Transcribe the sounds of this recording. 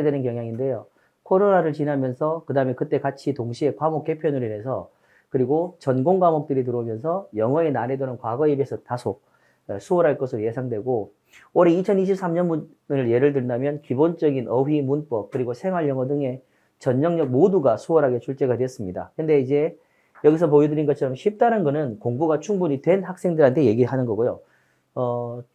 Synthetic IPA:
dwe̞nɯnkjʌŋjaŋinde̞jo | kʰoɾonaɾɯɭt͡ɕinɦamjʌnsʰʌkɯdaɯme̞kɯt͈e̞kat͡ɕʰitoŋɕʰie̞kwamok͈e̞pʰjʌnɯɾine̞sʰʌ̰ | kɯɾiɡot͡ɕʌnɡoŋɡamʌk̚t͈ɯɾit̬ɯɾomjʌnsʰʌjʌŋʌenaɾe̞donɯnkwaɡʌibe̞sʰʌtasʰo | esʰuʌɾɦaɭk͈ʌsʰɯɾoje̞sʰaŋdwe̞ɡo | oɾeit͡ɕʰʌniɕʰip̚s͈amɲʌnmu | ɯɭje̞ɾɯɭdɯɭdamjʌnkibont͡ɕʌɡinʔʌɸimunp͈ʌp̚kɯɾiɡosʰe̞ŋwaɭjʌŋʌdɯŋe̞ | t͡ɕʌɲːʌŋɲʌɡ̚moduɡasʰuwʌɾɦaɡe̞t͡ɕʰuɭt͡ɕ͈e̞ɡadweʌs͈ɯmɲida̰kɯɾɯnde̞id͡ʑe̞ | jʌɡis̬ʰʌp̬ojidɯɾinɡʌt͡ɕʰʌɾʌmɕʰip̚t͈anɯnɡʌnɯnkoŋbuɡat͡ɕʰuŋbuɲitwe̞nhak̚s͈e̞ŋdɯɾɦantʰe̞je̞ɡiɭɦanɯnɡʌɡojo | ʌ

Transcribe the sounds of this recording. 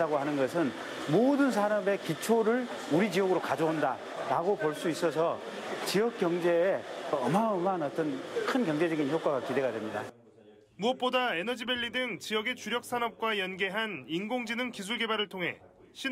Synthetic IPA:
aɡoɦanɯnɡʌsʰɯn | modɯns̬ʰaɾame̞kit͡ɕʰoɾɯɭ | uɾid͡ʑijʌɡɯɾokad͡ʑʌonda | ɾaɡopoɭs͈uis͈ʌs̬ʰʌ | t͡ɕiʌk͈jʌŋd͡ʑe̞ːʌmaʌmanʌt͈ʌnkʰɯnkjʌŋd͡ʑe̞d͡ʑʌɡinçjok͈waɡakide̞ɡadwemɲida | muʌp̚p͈odae̞nʌd͡ʑibe̞ʎːidɯŋt͡ɕijʌɡe̞t͡ɕuɾjʌk̚s͈anʌp̚k͈wajʌnɡe̞ɦaninɡoŋd͡ʑinɯŋkis̬ʰuɭɡe̞baɾɯɭtʰoŋɦe̞̰ | ɕʰi

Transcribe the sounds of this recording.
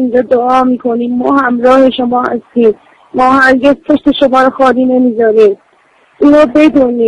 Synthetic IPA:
ind͡ʒɒːd̪oɒːmiːkʰoniːmːɒːhæmɾɒːhe̞ʃo̞mɒːhæ̰st̪iːm | mɒːhæɾɟe̞zpʰo̞ʃt̪e̞ʃo̞mɒːɾɔxɒːliːne̞miːzɒːɾiːm | ʔiːnoːbe̞d̪uːniː

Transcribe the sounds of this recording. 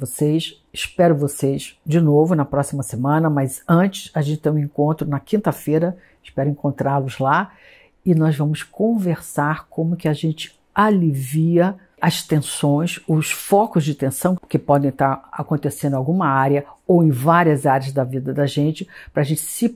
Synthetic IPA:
vosejs | ɪspɛɾʊvosejsd͡ʒɪnovʊnɐpɾɔsimɐsemɐ̃nɐmɐzɐ̃t͡ʃɪ̥sɐʒẽt͡ʃɪ̥t̪ẽj̃ũĩŋkõnt̪ɾʊnɐkĩnt̪ɐfejɾɐ | ɪʃpɛɾʊĩŋkõnt̪ɾalʊzla | ɪnɔzvɐ̃mʊskõveɾsaɾkõmʊkɪaʒẽnt͡ʃɪ̥ | aliviɐ | ɐst̪ẽsõj̃sʊsfɔkʊzd͡ʒɪt̪ẽsɐ̃w̃kɪpɔd̪ẽj̃t̪aɾa̰kõnt̪esẽnd̪̃awɡũmɐaɾjɐowẽj̃vaɾiɐzaɾjɐzd̪ɐvid̪ɐd̪ɐʒẽnt͡ʃɪpɾɐːʒẽnt͡ʃɪ̥sɪ

